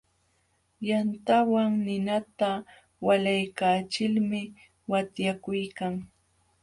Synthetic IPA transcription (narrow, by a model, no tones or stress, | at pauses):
jant̪awaŋnɪnat̪a | walajkaːt͡ʃɪlmɪ | wat̪jakʊjkaŋ